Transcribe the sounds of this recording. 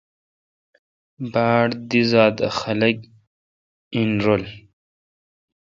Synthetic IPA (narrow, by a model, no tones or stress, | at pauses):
baːɽd̪izaːd̪a̰xɐlɐk | inɾol